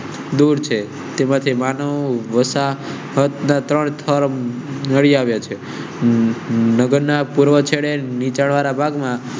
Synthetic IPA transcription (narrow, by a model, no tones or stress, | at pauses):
d̪uɾt͡ʃʰe | t̪emãt̪ʰimanəʋəsa | ɦət̪nat̪ɾəɳt̪ʰəɾnəɽiaʋjat͡ʃʰe | nəɡəɾnapuɾʋət͡ʃʰeɽenit͡ʃaɽʋaɾabʱaɡmã